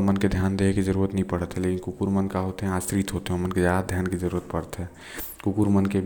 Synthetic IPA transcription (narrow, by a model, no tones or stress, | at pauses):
əmənked̪ʱjaːnd̪eɦekid͡ʒəɾuːɾət̪nəɦĩpəɽət̪ɦɛleːkinkukuɾmənkaɦot̪eɦɛ̃ãst̪ɾit̪ɦot̪eɦɛəmənked͡ʒjaːd̪ad̪ʱjaːnkid͡ʒəɾuːɾət̪pəɽət̪ɦɛː | kukuɾmənke